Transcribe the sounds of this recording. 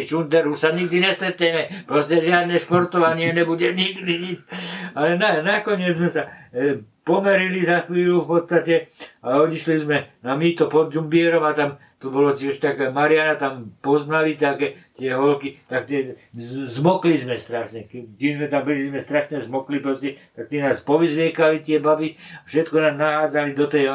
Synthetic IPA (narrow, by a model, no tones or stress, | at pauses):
t͡ʃund̪ɛɾɦusaɲiɡ̚d̪iɲɛst̪ɾɛt̪ɲɛmɛpɾɔscɛʒɪad̪nɛʃpɔɾt̪ɔʋaɲɪɛɲɛbuɟɛɲiɡd̪iɲit͡ʃalɛnanakɔɲɪɛd͡zzmɛsa | pɔmɛɾilizaxʋiːlufpɔt̪st̪acɛaɔɟiʃlizmɛnamiːt̪ɔpɔd̪zumbiɛɾɔmat̪am | t̪ɔbɔlɔtɪɛʃt̪akɛmaɾɪanat̪ampɔznalit̪akɛt̪ɪɛɦɔlkit̪akt̪ɪɛzmɔklizmɛst̪ɾaʃɲɛkɛt̪ɛzmɛt̪ambilizmɛst̪ɾaʃɲɛzmɔklipɾɔscɛt̪ak̚t̪ɛnaːspɔʋizʋɪɛkalit̪ɪɛbabiafʃɛt̪kɔnaːmnaɦaːd͡zalid̪ɔt̪ɛj